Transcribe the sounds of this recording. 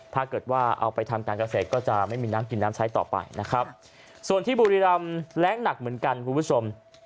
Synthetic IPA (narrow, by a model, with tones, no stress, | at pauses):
pʰaː˧kɤː˨˩t̪̚waː˥˩ʔa̰˧wpa˧jt̪ʰa˧mkaː˧nka˧seː˨˩t̪̚kɔː˥˩t͡ɕa˨˩ma˥˩jmiː˧naː˦˥mki˧nːaː˦˥mt͡ɕʰa˦˥jt̪ɔ̰ː˨˩pa̰˧jna˦˥kʰɾa˦˥p̚ | su˨˩ənt̪ʰiː˥˩buː˧ɾi˦˧ɾa˧mlɛː˦˥ŋna˨˩k̚mɯ˩˦ənka˧nkʰu˧npʰu˦˥t͡ɕʰo˧m